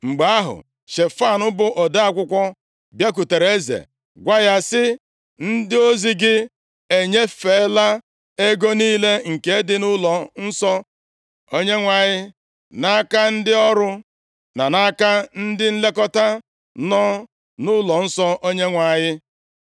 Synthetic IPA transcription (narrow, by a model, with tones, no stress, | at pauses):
ŋ͡m̩˨ɡ͡ba˨a˦ɦʊ̰˨ | ʃe˨fa˦˨nʊ˦bʊ˦ʔɔ˨da˦a˦kʷʊ˦kʷɔ˦ | bje˦k̬u˨te˨ɾe˦zḛ˨ | ɡʷa˦ja˦sɪ˦ | n̩˦dɪ˦o˦zi˦ɡɪ˦ | e˨ɲe˦fe˨˦la˦ | e˦ɡo˦niː˦le˦ŋ̩˨ke˨e˦dɪ˦nʊ˦lɔ˨n̩˦sɔ˦ | o˦ɲe˦ŋʷa˨ɲɪ˦ | na˦ka˦n̩˦dɪ˦ɔ˦ɾʊ˦ | na˨na˦ka˦n̩˦dɪ˦n̩˦le˦kɔ˦ta˦ | nɔ˦ | nʊ˦lɔ˨n̩˦sɔ˦ʔo˦ɲe˦ŋʷa˨ɲɪ˦